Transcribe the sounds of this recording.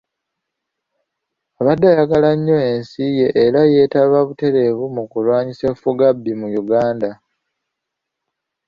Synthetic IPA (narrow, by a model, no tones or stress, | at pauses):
aβadːajaɡalaɲːo̞e̞nsije̞ʔːɾaje̞ːtaβaβute̞ɾe̞βumukulwaːɲisefuɡabːimujuɡaːnda